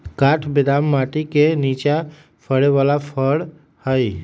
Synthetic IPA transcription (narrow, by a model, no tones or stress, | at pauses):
kaʈʰbed̪amːaʈikenit͡ʃa | pʰəɽeʋalapʰəɽ | həj